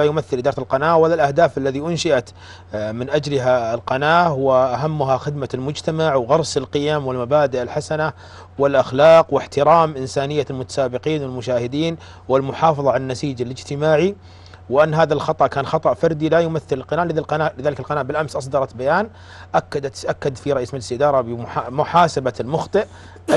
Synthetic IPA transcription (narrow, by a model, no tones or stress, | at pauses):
ajʊmaθːɪlːd̪ːɾˤalqɑnaːʔwalːalʔahd̪aːfʔalːaðiʔʊnʃɪʔat̪ | mɪnʔad͡ʒlɪɦaɪlqɑnaːʔwɪʔaɦamːʊɦaxɪd̪malmʊd͡ʒt̪amaʕwɣɑɾˤsɪlqɪjamwɪlmabaːd̪ɪʔalħasana | wɪlʔaxlɑːqwɪħt̪ɪɾaːmʔɪnsaːnɪjːalmʊt̪ḁsaːbɪqiːnwɪlmʊʃaːhɪd̪iːn | wɪlmʊħɑːfɑðˤɑʕananːasiːd͡ʒalɪd͡ʒt̪ɪmaːʕi | wɪʔanːɦaːðalxɑt̪ˤɑʔkaːnxɑt̪ˤɑʔfɑɾˤd̪ilajʊmaθːɪlɪlqɑnaːʔlɪðalqɑnaːʔlɪðaːlɪkalqɑnaːʔbɪlʔamsʔɑs̬ˤd̪ɑɾˤɑt̪bajaːn | ʔakːad̪aʔakːad̪fiɾˤɑʔiːsmɪd͡ʒsiʔd̪ɑːɾˤɑbɪʊħamʊħaːsabalmʊxt̪ˤɨʔ